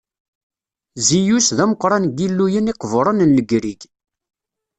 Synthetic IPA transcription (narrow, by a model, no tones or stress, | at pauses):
zijusðæməqːɾˤɑnɡilːujəniqəvɾˤənnləɡɾiɡ